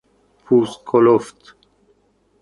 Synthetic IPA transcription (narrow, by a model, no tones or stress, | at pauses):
pʰuːskʰoloft̪